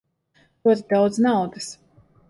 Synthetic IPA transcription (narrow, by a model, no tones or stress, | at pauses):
ɾuɔt̪id̪awd̪znawd̪ɨs